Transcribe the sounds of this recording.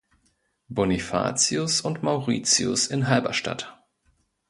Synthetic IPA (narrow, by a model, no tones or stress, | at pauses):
bɔnifa̰ːt͡siʊsʊntmaʊʁḭːt͡siʊ̰sɪnɦalbɐʃta̰t